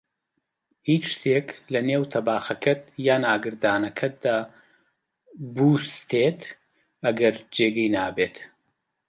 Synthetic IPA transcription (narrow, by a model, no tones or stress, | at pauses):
hiːt͡ʃʃt̪ʰeːklɐneːwt̪ʰɐbaːxɐkʰɐt̪jaːnaːɡɨɾd̪aːnɐkʰɐt̪̚d̪aː | bust̪ʰet̪ | ɐɡɐɾd͡ʒeːɡɐjnaːbeːt̪